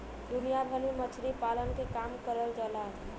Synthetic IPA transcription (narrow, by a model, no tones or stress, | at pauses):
d̪ʊnijabʱənimət͡ʃʰɾipalənkekamkəɾəld͡ʒəla